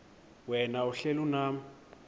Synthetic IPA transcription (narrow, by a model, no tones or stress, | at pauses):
wɛnauɬɛluna